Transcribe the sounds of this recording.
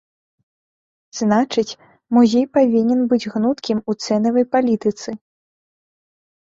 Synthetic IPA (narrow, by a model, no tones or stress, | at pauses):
z̥nat͡ʂɨt͡sʲ | muzʲejpavʲinʲɛnbɨd͡zʲɣnut̪kʲimut̪sɛnɐvɐjpalʲit̪ɨt̪sɨ